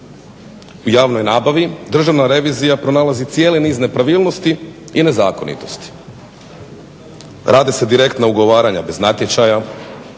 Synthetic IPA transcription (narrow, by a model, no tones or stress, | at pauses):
ujaːʋno̞jnaːbaʋid̪r̩ʒaʋnaɾe̞ʋiːzijapɾo̞naːlˠazit̪sje̞ːleniːzne̞pɾaʋiːlˠno̞st̪i | ine̞zaːko̞nḭt̪o̞st̪i̥ | ɾʔaːd̪ise̞d̪iɾe̞kt̪nauɡo̞ʋaːɾaɲabe̞znat̪je̞t͡ʃaja